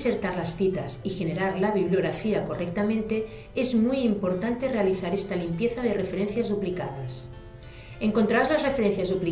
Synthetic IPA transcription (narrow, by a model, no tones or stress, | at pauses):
seɾt̪aɾlasθit̪asixe̞ne̞ɾaɾlaβiβ̞lioɣɾafiako̞rek̚t̪amẽ̞nt̪e̞ | ezmujimpo̞ɾt̪ant̪e̞re̞aliθaɾest̪alimpjeθaðere̞feɾẽn̟θjazðuplika̰ð̞as | eŋkont̪ɾaɾazlazrefeɾẽnθjazðupli